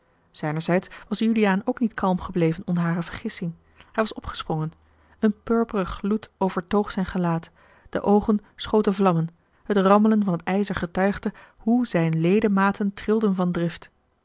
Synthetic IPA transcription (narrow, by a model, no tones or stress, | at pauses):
z̥ɛjnəɹzɛjtsʋɑsjyliaːnowknitkʰɑlˠmχəblejvənɔnɦaːrəvəɹχɪsɪŋ | ɦɛjʋɑsɔpχə̥sprɔŋən | ənpøɹpərəχlutowv̥əɹtowχsɛjnχəlaːt | d̥ə̰ʔowχənsχowtəvlɑmən | hətrɑmələnvɑnɦətɛjzəɹχətœɥχdəhuzɛjnlejdəmaːtʰəntrɪlˠdənvɑndrɪft